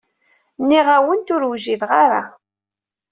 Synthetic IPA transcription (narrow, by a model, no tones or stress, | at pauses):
nːiʁawənt̪ʊɾwʒiðʁaɾa̰